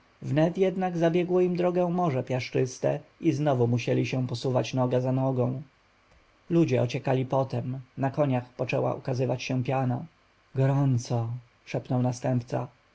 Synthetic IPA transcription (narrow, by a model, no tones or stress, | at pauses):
vnɛt̪jɛd̪naɡzabʲjɛɡwɔimd̪ɾɔɡɛ̃mɔʐɛpʲjaʂt͡ʂɘst̪ɛ̰ʔiznɔvumuɕɛlʲiɕɛ̃w̃pɔsuvat͡ɕnɔɡazanɔɡɔ̃w̃ | lud͡ʑɛɔt͡ɕɛkalʲipɔt̪ɛmnakɔɲaxpɔt͡ʂɛwa̰ʔṵkazɘvat͡ɕɕɛ̃pʲjana̰ | ɡɔɾɔnt̪sɔ | ʂɛpnɔwnast̪ɛmpt̪sa̰